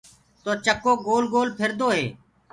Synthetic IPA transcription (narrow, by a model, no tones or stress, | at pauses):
t̪oːt͡ʃəkːoːɡoːlɡoːlpʰɪɾd̪oːɦeː